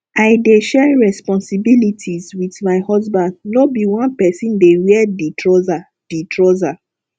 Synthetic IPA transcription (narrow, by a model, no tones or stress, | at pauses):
aɪdeʃɛɹɛspɔ̃nsibilitʰizwiðmaɪhɔzbãndnobiwãnpɛsĩndewiɛditʰɹɔza | d̥itʰɹoza